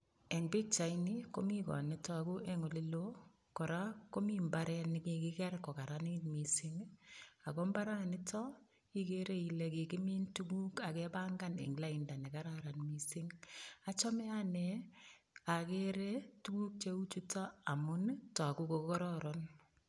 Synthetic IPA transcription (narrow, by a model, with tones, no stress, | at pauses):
ɛ˨ŋbɪ˦k̚t͡ʃa˨ini˦ko˦mi˦kɔ̰˨nɪ˦tɔ˦a˨ku˦ʔɛ˦ŋo˨lɪ˦lo˦ | kɔ˨ɾa˦ko˦mi˦mba˦ɾɛ˦nɪki˨kɪkɛ˦ɾkːɔ˨ka˨ɾanɪnmi˨sɪ˦ŋa˨kɔ˦mba˦ɾa˦nɪ˦tɔ˦ | i˦ke˦ɾe˦i˨le˨kɪ˨kɪ˦mi˦ntu˦ɡu˦ka˨kɛ˦ba˦ŋɡa˦nɪ̰˨ŋɡla˦inda˨nɛ˨ka˦ɾaɾa˨nmi˦sɪ˦ŋa˦t͡ʃɔ˦mɛ˦a˦nɛ˨ | a˨ke˦ɾe˦tu˦ku˦k̚t͡ʃe˦u˦t͡ʃu˦ta˦a˨mʊ˦ntɔ˨a˨ku˦ko˨kɔ˦ɾɔ˦ɾɔn